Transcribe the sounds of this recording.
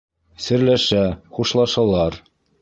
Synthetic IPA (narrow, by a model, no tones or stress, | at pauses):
sɘ̆ɾlæʃæχuʃlˠɑʃɑlˠɑɾ